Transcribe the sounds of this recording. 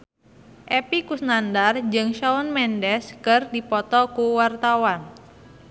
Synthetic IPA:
ʔɛpikusnandard͡ʒɨŋʃaʊnmɛndɛskɨrdipɔt̪ɔkuwart̪awan

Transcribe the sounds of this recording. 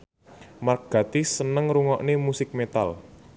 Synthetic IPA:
marɡ̥a̤t̪isənəŋɾuŋɔʔnemusɪk̚met̪a̰l

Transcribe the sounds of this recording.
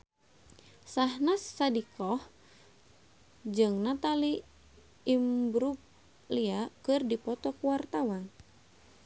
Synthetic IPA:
sahnasːadikɔh | d͡ʒɨŋnat̪aliː | mbɾuk̚ | liakɨrdipɔt̪ɔkuwart̪awan

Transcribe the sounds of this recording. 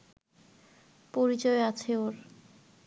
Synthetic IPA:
poɾit͡ɕoeat͡ɕʰeoɾ

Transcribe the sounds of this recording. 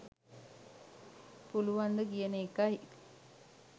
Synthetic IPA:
puluʋand̪əkijənəekaj

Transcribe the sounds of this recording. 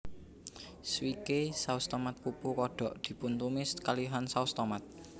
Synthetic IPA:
swikesaust̪ɔmat̪̚pupukɔɖ̥ɔ̤ʔd̪̥i̤punt̪umɪskaliɦansaust̪ɔmat̪̚

